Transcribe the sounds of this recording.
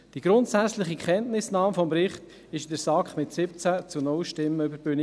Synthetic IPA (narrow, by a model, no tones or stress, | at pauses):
d̥iɡ̥ɾʊntsæt͡slɪχikχɛntnɪsnɑːmfɔmpɾɪχt | ɪʃdəɾsɑkχmɪtsɪp̚t͡sæt͡sunʊlʃtɪmːəøbəɾbʏni